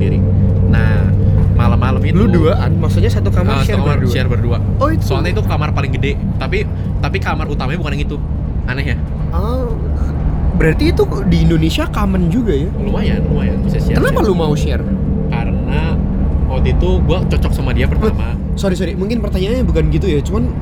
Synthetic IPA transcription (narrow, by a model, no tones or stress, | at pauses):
iɾḭ | nah | malamalamiluduaʔanmaksuɲasat̪ukamaaʃurkamarduʃiarbərduaoit̪soalnait̪ukamarpalɪŋɡədeʔ | t̪api | t̪apikamarut̪amaɲabukanɡit̪u | anakja | ə | bəɾart̪iːt̪u | diːndonesiakamənd͡ʒuɡajaluaja̰luaja̰nbisasiakənapalumauʃɛr | kaɾəna | ɔt̪it̪uɡuat͡ʃɔt͡ʃɔk̚samadiapərt̪ama | soɾisoɾimuŋkɪnpərt̪aɲaːɲabukanɡit̪̬ujat͡ʃuman